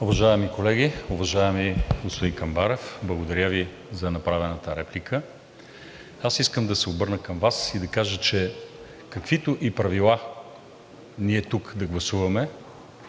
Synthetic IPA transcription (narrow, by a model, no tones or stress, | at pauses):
ʊvɐʒaɛmikolɛɡʲiʊvɐʒaɛmiɡospod̪inkɐmbaɾɛfblˠɐɡod̪ɐɾjəvi | zɐnɐpɾavɛnət̪əɾɛplikə | asiskəmd̪ɐsɛobɤɾnəkɐmvasid̪ɐkaʒət͡ʃɛ | kɐkvit̪ʊʔipɾɐvilˠa | niɛt̪ukd̪ɐɡlˠɐsuvɐmɛ